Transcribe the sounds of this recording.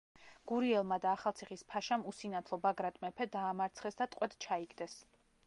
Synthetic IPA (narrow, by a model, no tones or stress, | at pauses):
ɡ̥uɾiɛlˠmad̪aːχalˠt̪sʰiχispʰaʃamusinat̪ʰlˠɔbaɡɾat̪ʼmɛpʰɛd̪aːmaɾt̪sʰχɛsd̪at̪ʼqʼwɛd̪t͡ʃʰaiɡd̪ɛs